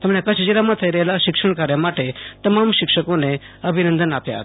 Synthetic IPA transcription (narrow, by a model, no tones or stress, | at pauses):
t̪ɛmɳeakaɕid͡ʑelamat̪ʰəjɾəlaɕikʂəɳkaɾjamaʈet̪əmamɕikʂəkone | əbʱinənd̪ənapja̰t̪